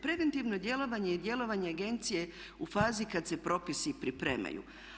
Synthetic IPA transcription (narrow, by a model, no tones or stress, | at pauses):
pɾe̞ʋent̪iʋno̞d̪je̞lo̞ʋaɲe̞id̪je̞lo̞ʋaɲeaɡe̞nt̪sije̞ | ufaːzikad̪se̞pɾo̞pisipɾipɾe̞̰ːma̰jṵ